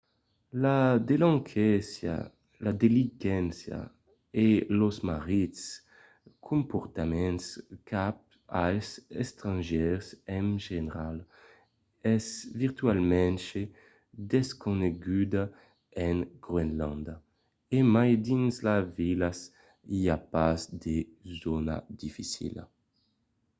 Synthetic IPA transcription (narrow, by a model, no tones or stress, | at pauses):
lad̪elãŋkʰɛsja̰ | lad̪elikɛnsja̰ | elozmaʁit̪s | kʰumpoɾt̪amɛ̃nskʰap̚ | ajsɛ̰st̪ɾãnʒɛʁsɛŋʒeneɾal | ɛzviʁt̪ɥalmɛ̃nʃe | d̪eskoneɡyd̪a | ɛŋɡ̥ʁwenlãnd̪a | emajd̪inzlavilas | iapazd̪ezona̰d̪ifisḭla̰